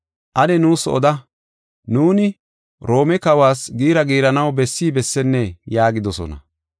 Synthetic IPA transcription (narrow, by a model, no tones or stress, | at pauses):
ʔɐd̪ɛnuːsɔ̰d̪ɐ | nuːnɪ | ɾo̞ːmɛkɐwaːsɡiːɾɐɡiːɾɐnɐwbɛsːiːbɛsːɛnːɛjaːɡɪd̪ɔsɔ̰nɐ̰